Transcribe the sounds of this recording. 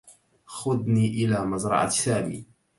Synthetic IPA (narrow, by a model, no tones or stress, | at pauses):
xʊd̪niːʔɪlaːmazɾˤɑ̰ʕa̰saːmḭː